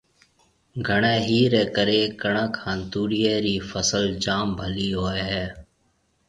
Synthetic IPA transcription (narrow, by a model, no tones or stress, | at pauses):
ɡʱəɳeːɦiːɾɛːkəɾeːkəɳəkhãːnt̪uːɽɪjeːɾiːfəsəld͡ʒaːmbʱəliːɦoːɛːɦɛː